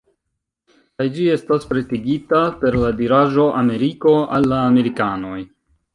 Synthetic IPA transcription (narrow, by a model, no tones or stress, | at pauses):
kajd͡ʒie̞staspɾe̞tiɡitape̞ɾladiɾaʒo̞ʔame̞ɾiko̞a̰lːaːme̞ɾikano̞j